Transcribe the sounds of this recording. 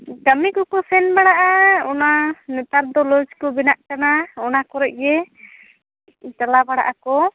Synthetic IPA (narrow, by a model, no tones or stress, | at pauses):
kəmikɔkɔsɛnbaɽaʔaɔnanɛt̪aɾd̪ɔlɔd͡ʒkɔbɛnaʔkanaɔnakɔɾɛʔ̚ˀjɛ | italabaɽa̰ʔakɔ